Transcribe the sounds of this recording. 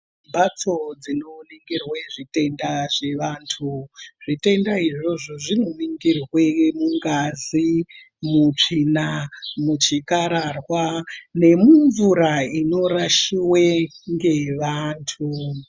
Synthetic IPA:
bʱat͡so̞d͡zino̞niŋɡirweʐite̞ndaʐe̞ʋaːntʰuʐ̥ite̞ndaiʐo̞ʐo̞ʐinomiŋɡirwe̞muŋɡazi | mut͡ʂinamut͡ʃikaɾarwane̞muɱvuɾaino̞raʃiweŋɡe̞ʋaːntʰu

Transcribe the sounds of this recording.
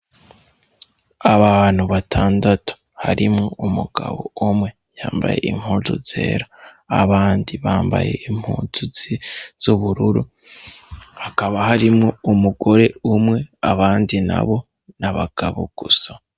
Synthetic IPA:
aβaβaːn̥huβatʰaːndatu̥ | haɾimŋoumuɡ̥a̰βo̰umŋe̞ | jaːmba̰je̞̰ʔim̥huːzuz̥e̞̰ːɾaː | βaːndiβaːmba̰je̞̰im̥huːzuziz̥uβuɾuɾu | hakaβaɦaɾimŋo̞umuɡo̞ɾe̞umŋe̞aβaːndina̰βo̞ | naβaɡ̥aβo̰ɡ̥usa

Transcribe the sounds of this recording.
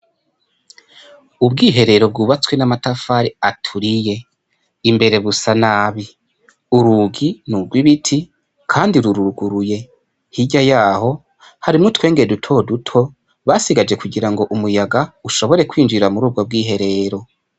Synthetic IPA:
ubɡiːɦe̞ɾe̞ɾo̞b̚ɡuːβat͡swe̞namatafaːɾiatʰuɾije̞ | imbe̞ɾe̞βusanaːβi | uɾuɡinuɾɡwiβitʰi | kʰaːndiɾuɾuɾuɡuɾuje̞ | hiɟajaːho̞ | haɾimŋotwe̞ːŋɡe̞edutʰo̞dutʰo̞ | βaːsiɡad͡ʒe̞kʰuɡiɾaŋɡo̞ʔumujaɡauʃo̞βo̞ɾe̞kwiːnd͡ʒiɾamuɾuːb̚ɡo̞b̚ɡiːɦe̞ɾe̞ɾo̞

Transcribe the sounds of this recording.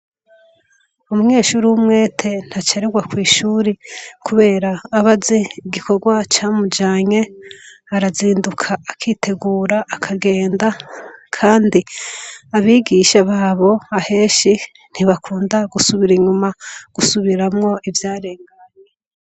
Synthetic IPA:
umuŋe̞ːʃuːɾiwumŋe̞ːtʰe̞n̥hat͡ʃaɾeɡwakwiːʃuːɾikʰuβe̞ːɾaːβazeɡikʰo̞ɡwat͡ʃaːmud͡ʒaːɲe̞ | aɾaziːndukʰaːkʰiːtʰe̞ɡuːɾaʔːkʰaɡe̞ːndakʰaːndiaβiːɡiʃaβaːβo̞ahe̞ːʃi | n̥hiβakʰuːndaɡusuβiɾiɲumaɡ̥usuβiɾamŋo̞ivjaːɾe̞ŋɡa

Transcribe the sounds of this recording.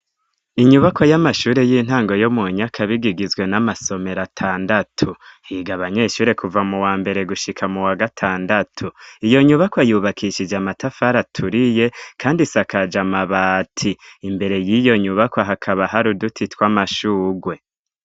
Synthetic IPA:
iɲuβako̞jamaʃuːɾe̞jiːn̥ɦaːŋɡo̞jo̞muɲakʰaβiɡiɡizɡwe̞namaso̞me̞ɾatʰaːndatʰuhiːɡaβaɲe̞ʃuːɾe̞kʰuvamuwaːmbe̞ɾe̞ɡuʃikʰamuwaɡatʰaːndatʰuijo̞ɲuβakojuːβakʰiʃid͡ʒamatafaɾatʰuɾije̞kʰaːndisakad͡ʒamaβaːtʰiːmbe̞ɾe̞jijo̞ɲuβakwaɦakʰaβaɦaɾudutʰitwamaʃuːɡwe̞

